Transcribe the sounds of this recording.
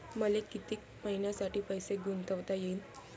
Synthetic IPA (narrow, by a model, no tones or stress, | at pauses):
məlekit̪iːk̚ | məɦinjasaʈiːpəjseɡʱunt̪əʋt̪ajein